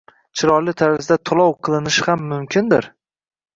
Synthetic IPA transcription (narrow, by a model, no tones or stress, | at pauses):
t͡ʃʰɪɾɒlɪt̪ʰaɾɪzd̪at̪ʰʊlˠɒwqʰɨlˠɪnɪʃhamːʊmkʲʰɪnd̪ɪɾ